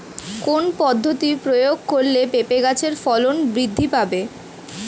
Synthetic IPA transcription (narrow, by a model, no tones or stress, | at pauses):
konpɔd̪ʱːot̪ipɾojoɡ̚koɾlepepeɡat͡ɕʰeɾfɔlonbɾid̪ʱːipabe